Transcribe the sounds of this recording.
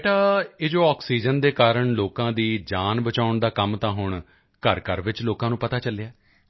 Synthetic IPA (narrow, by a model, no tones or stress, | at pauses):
ʈaːeːd͡ʒoːaːksiːd͡ʒənd̪eːkaːɾəɳloːkãːd̪iːd͡ʒaːnbət͡ʃaːʊɳd̪aːkəmt̪ãːɦʊɳ̃ | kəɾkəɾʋɪt͡ʃloːkãːnũːpət̪aːt͡ʃəleaː